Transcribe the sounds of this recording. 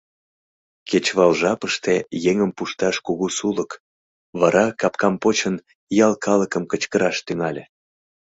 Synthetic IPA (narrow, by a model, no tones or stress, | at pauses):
ket͡ɕβɑlʒɑpəʃt̪ejeŋəmpuʃt̪ɑʃkuɣusulək | βɑɾɑkɑpkɑmpot͡ɕən | jɑlˠkɑləkəmkət͡ɕkəɾɑʃt̪yŋɑlʲe